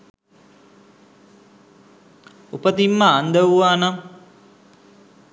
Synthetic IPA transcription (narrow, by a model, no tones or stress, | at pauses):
upət̪imːəːnd̪əwuʋaːna